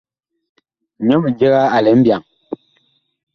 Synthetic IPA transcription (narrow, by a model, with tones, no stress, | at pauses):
ɲɔ˦mi˨d͡ʒe˦ɣa˦a˨lɛ˨˦m̩˦bja˨ŋ